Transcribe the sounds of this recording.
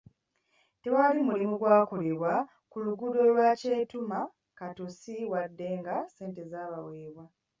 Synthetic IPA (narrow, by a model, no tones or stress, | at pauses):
te̞walimulimuɡwaːko̞le̞βwa | kuluɡudo̞lwaːce̞ːtuma | katosiwadːe̞ŋɡase̞ːnte̞zaːβaweːβwa